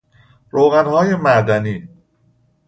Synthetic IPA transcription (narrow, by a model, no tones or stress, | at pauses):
ɾoːɣanhɔjemaːɡani